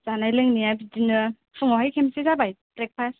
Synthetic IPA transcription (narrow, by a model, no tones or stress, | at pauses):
z̥anajlɯŋnijabidinɯ | pʰɯŋawhajkʰemsezabajtɾek̚pʰas